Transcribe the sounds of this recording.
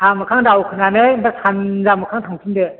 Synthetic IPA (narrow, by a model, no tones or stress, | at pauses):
amɐkʰaŋdawkʰɯnanebasʰanzamɐkʰaŋtʰaŋtʰinde